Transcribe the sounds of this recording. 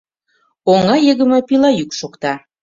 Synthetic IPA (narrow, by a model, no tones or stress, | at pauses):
oŋɑjəɣə̆mɤpilɑjykʃokt̪ɑ